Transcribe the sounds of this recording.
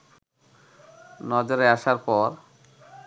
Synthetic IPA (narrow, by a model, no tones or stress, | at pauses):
nɔd͡ʑoɾeaʃaɾpɔɾ